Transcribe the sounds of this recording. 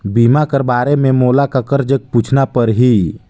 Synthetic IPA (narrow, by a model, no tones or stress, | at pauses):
bimakəɾbaːɾemẽmoːlakəkəɾd͡ʒəɡ̚put͡ʃʰnapəɾɦi